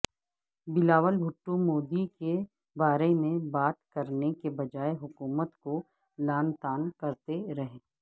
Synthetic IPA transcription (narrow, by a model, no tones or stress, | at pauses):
bɪlaːʋəlbʱʊʈːũmoːd̪ike | baːɾemẽbaːt̪kɐɾnekebɐd͡ʒaːeɦʊkuːmət̪ko | laːnt̪aːnkɐɾt̪eɾɐɦẽː